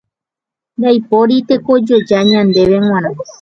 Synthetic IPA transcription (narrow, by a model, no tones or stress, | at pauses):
d̪ajpoɾit̪e̞kod͡ʒod͡ʒaɲãnd̪e̞ʋeŋ̃ãɾã